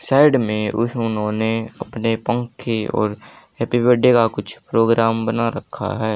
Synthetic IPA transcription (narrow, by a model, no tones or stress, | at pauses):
saːɪɖmẽʊ̰sʊnɦõːneɐ̰pnepə̃ŋkʰːeɔ̰ːɾ | eːpibeːɖekakʊt͡ʃʰpɾoːɡɾaːmbənaɾɐkʰːa̰ɦɛː